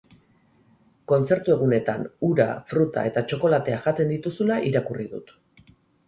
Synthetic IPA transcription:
ko̞nt͡se̞ɾt̪ue̞ɣ̞une̞t̪anuɾa̰fɾut̪a̰e̞t̪at͡ʃo̞ko̞lat̪e̞aʝat̪e̞nd̪it̪usulaʔiɾakuriðṵt̪

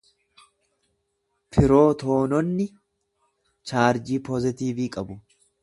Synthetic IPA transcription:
pʰɪɾo̞ːt̪o̞ːnɔnːɪ | t͡ʃaːɾd͡ʒiːpɔzɪt̪iːviːkʼɐbʊ

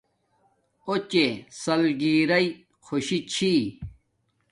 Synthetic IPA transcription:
ot͡ɕesɐlɡiːɾɐi | kʰoɕit͡ɕʰi

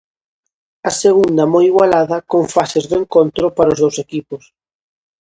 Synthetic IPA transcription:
ɐseɣund̪ɐmojiɣwalaðɐkoŋfasezðʊeŋkont̪ɾʊpaɾozðowsekipʊs

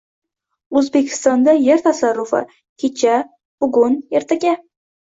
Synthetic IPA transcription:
ɵzbekʲʰɪ̥st̪ɒnd̪ajeɾt̪ʰasarːʊfɪ̰ | kʲʰet͡ʃʰa | b̥ʊɡʊne̞ɾt̪ʰaɡʲa

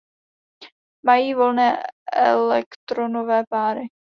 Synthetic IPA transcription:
majiːvo̞lnɛːʔɛ̰lɛkt̪ɾonovɛːpaːɾɪ

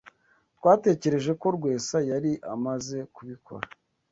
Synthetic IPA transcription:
tkwaːte̞ːce̞ɾe̞ʒe̞ko̞ɾɡwe̞ːsajaɾiʔamaze̞kuβikʰo̞̰ɾa

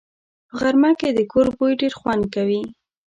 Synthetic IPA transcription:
pəɣaɾmaked̪əkoɾbojɖeɾxwand̪̚kawi

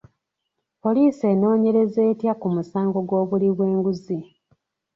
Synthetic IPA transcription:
po̞liːse̞ːno̞ːɲe̞ɾe̞ze̞ːtjakumusaːŋɡo̞ɡwo̞ːβuliβwe̞ːŋɡuzi

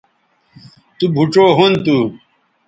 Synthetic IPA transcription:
t̪ubʱuʈ͡ʂoːɦont̪u

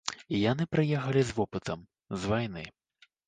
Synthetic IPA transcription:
ijanɨpɾɨjɛxɐlʲizvɔpɨt̪ɐm | zvajnɨ

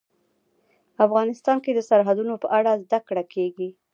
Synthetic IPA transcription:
afɣɑnɪst̪ɑnked̪əsaɾɦad̪unopəʔaɽazd̪akɽakʰeɡi

